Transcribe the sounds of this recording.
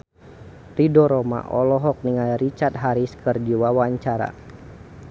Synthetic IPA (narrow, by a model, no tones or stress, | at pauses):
ridɔɾɔma̰ʔɔlɔɦɔk̚niŋaɾit͡ʃat̪̚ɦaɾiskərd͡ʒiwawaɲt͡ʃaɾa̰